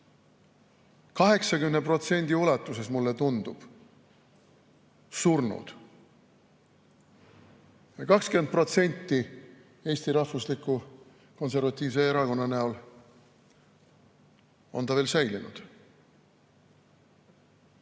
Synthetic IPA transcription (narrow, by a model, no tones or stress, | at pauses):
kɑɦe̞ksɑkymnepro̞t̪se̞nʲd̪̥iulɑt̪ːˑuse̞smulːet̪und̪ub̥ | surnṵd̪̥ | jɑkɑkskynd̪̚pro̞t̪se̞nʲt̪ːi | e̞ːst̪iɾɑfvuslikːu | ko̞nse̞ɾvɑt̪ʲːˑiːvse̞eɾɑko̞nːɑnæul | o̞̰nt̪ɑve̞ːlsæjlinṵd̪̥